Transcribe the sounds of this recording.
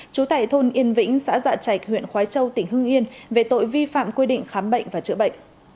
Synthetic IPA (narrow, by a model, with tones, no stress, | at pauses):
t͡ɕu˨˦t̪a̰ː˧˨jt̪ʰo˧nʔi˧ənvḭ̈˧˥ŋ̟sa̰ː˧˥za̰ː˧˨˩t͡ɕa˨˩jk̚hwḭ˧˨ənxwaː˨˦jt͡ɕə˧wt̪ï˧˩ŋ̟ɦɨ˧ŋʔi˧ənve˨˩t̪o̰˧˨jvi˧fa̰ː˧˨mkwi˧ɗḭ̈˧˨ŋ̟xaː˨˦mɓə̰˧˨jŋ̟vaː˨˩t͡ɕɨ̰˧˨əɓə̰˧˨jŋ̟